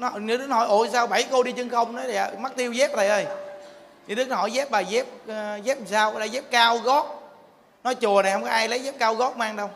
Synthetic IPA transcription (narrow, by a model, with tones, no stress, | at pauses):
n˨˦ɲɨ˧˦ɗɨ˨˦nhɔ̰˧˩˦jʔo˧˩˦jsaː˧wɓa˧˩jko˧ɗi˧t͡ɕɨ˧ŋxə˧wŋ͡mnɔ˨˦jla˨˩˨ma˦˥k̚t̪i˧əwzɛ˦˥p̪̚ə˨˩ʔəː˧˩j | ɲɨ˧˦ɗɨ˦˥nhɔ˧˩˦jzɛ˦˥p̚ɓaː˨˩zɛ˦˥p̚zɛ˦˥p̚saː˧wlaː˧˩zɛ˦˥p̚kaː˧wɣɔ˦˥t̚ | nɔ˨˦t͡ɕu˨˩əna˨˩jhə˧wŋ͡mkɔ˨˦ʔaː˧jlə˨˦jzɛ˦˥p̚kaː˧wɣɔ˦˥t̚maː˧ŋɗə˧w